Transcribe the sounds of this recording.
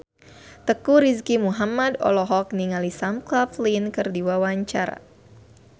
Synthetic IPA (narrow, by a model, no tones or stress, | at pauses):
t̪əkuɾiskimuɦamadɔ̰lɔɦɔk̚niŋalisamklaflinkərdiwawaɲt͡ʃaɾa̰